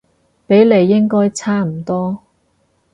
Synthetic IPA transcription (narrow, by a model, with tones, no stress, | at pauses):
pe˨˥jle˨˧jːɪ˥ŋkɔː˥jt͡sʰaː˥m̩˨˩t̪ɔː˥